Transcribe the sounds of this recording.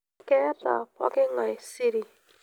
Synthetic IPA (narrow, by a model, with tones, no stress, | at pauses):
kɛ˦ta̰˨pɔ̰˦kɪ˦ŋa˨i˨si˦ɾi˨